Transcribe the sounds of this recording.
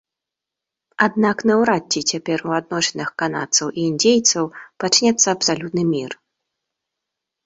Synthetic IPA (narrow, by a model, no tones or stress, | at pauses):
ad̪naknɐwɾadʲːit͡sʲapʲɛruad̪nɔɕʲɛnɨxkana̰t̪sɐwʔiindʲejt̪sɐwpat͡ʂnʲɛt̪sːɐɐpsalʲut̪nɨmʲir